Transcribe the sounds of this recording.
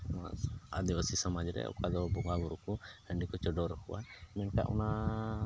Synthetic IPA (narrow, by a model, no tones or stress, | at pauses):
a̰ad̪ibasisamad͡ʒɾɛ̰ɔ̰kad̪ɔbɔɡaɡuɾukuhəɳɖikɔt͡ʃɔɖɔɾɔkʰuwamɛnka̰ʔɔna